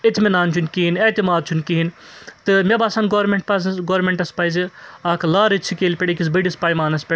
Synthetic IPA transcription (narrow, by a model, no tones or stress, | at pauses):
et̪mʲinaːnt͡ʃʰunʲkiɦinet̪ʲimaːd̪̚t͡ʃʰunʲkiɦint̪ɨmʲebaːsaːnɡoːɾmʲeɳʈ̚pɐzɐɡoːɾmʲeɳʈɐspɐjziaːkʰlaːɾɨt͡ʃʰikeːlpʲeɽikis̬bɐɖispaːjmaːnɐspʲe